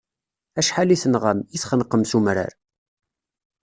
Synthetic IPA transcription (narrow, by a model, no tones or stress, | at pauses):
æʃħaliθənʁəmiθχənqəmsumɾə̰ɾ